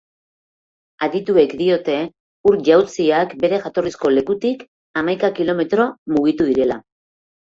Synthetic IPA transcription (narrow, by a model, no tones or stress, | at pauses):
aðit̪ue̞kd̪io̞t̪e̞ | uɾʝawt͡siakbe̞ɾe̞ʝat̪o̞risko̞le̞kut̪ik | amajkakilo̞me̞t̪ɾo̞muɣ̞it̪uðiɾe̞la